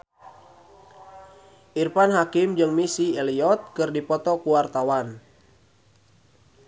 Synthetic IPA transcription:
ʔirpanɦakɪmd͡ʒɨŋmisiɛliɔt̪̚kɨrdipɔt̪ɔkuwart̪awan

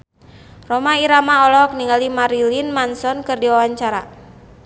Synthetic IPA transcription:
rɔmaiɾamaɔlɔk̚niŋalimaɾilinmansɔnkɨrdiwawaɲt͡ʃaɾa

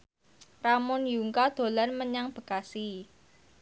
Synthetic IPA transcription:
ramʊnjuŋkad̪̥o̤lanməɲaŋb̥ə̤kasi

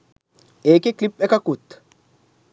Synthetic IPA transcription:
ʔeːkeklɪpʼːɛkɐkːut̪ː

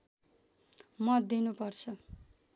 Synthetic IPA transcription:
mʌt̪̚d̪inupʌrt͡sʰʌ

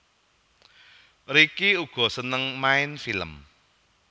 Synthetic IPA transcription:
rikiuɡ̥ɔ̤sənəŋmaɪnfilə̰m

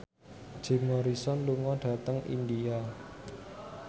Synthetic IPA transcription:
d̥ʒ̥e̤mɔɾisɔnluŋɔɖ̥ä̤t̪əŋʔḭndia

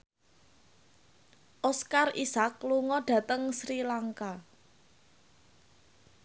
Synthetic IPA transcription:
ʔɔskarisakluŋɔɖ̥ä̤t̪əŋsɾilaŋka

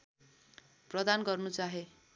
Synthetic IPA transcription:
prʌd̪anɡʌrnut͡saɦe

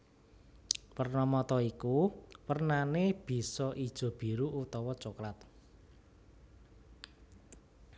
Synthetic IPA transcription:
pərnɔmɔt̪ɔikuwərnaneb̥i̤sɔʔid̥ʒ̥ɔ̤b̥i̤ɾuʔut̪ɔwɔt͡ʃokɾat̪̚

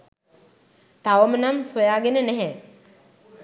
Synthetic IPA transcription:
t̪aʋəmənamsojaːɡenənɛɦɛ

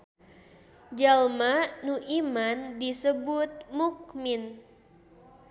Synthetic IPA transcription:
d͡ʒalmanuʔimandisəbut̪̚muk̚min

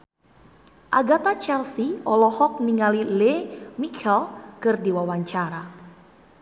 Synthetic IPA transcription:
ʔaɡat̪at͡ʃɛlsiɔlɔhɔk̚niŋalilemikʰɛlkɨrdiwawaɲt͡ʃaɾa

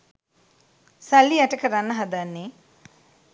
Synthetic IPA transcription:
salːiæʈəkəɾanːəɦad̪anːe

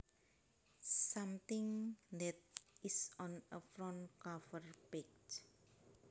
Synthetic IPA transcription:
samt̪ɪŋd̪ɛt̪̚ɪsɔnəfɾɔnkɔfərpɪk̚t

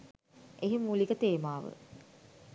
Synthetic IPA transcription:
eɦimulikət̪eːmaːʋə̰

